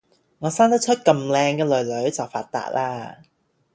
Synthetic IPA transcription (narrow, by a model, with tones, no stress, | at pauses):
ŋɔː˨˧saː˥nt̪ɐ˥t͡ʃʰɵ˥t̚kɐ˧mlɛː˧ŋkɛː˧lɵ˨˩ɥlɵ˨˥ɥt͡sɐ˨˩wfa̰ː˧t̚t̪a̰ː˧t̚laː˥